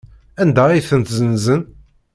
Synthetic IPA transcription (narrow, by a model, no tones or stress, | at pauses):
ænd̪æiθənt̪zənzən